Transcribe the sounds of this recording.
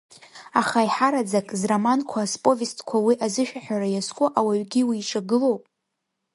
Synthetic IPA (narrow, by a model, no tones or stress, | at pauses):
aχaiħaɾad͡zakʼzramankʷʰaspʼo̞vistʼkʷʰawiʔazɨʃᶣaħᶣaɾajaskʷʼʊʔawaɥɡʲiwiːʈ͡ʂʰʼaɡɨlo̞wpʼ